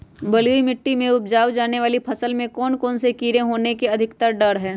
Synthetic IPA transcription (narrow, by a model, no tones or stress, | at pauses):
bɐluimɪʈːimẽʊp̚d͡ʒaːwd͡ʒaːneʋaːlipʰɐsəlmẽkɔːnkɔːnsekiːɾẽɦoːnekeɐd̪ʱɪkt̪əɾɖɐɾɦɛː